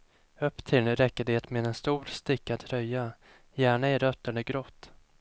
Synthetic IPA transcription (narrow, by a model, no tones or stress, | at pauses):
ɵpːt̪ʰɪlɾɛkːəɖeːt̪meːd̪ɛnst̪uːɾst̪ɪkːad̪ʰɾœjːa | jæːɳaɛɾœt̪ːəɳd̪əɡɾɔt̪ː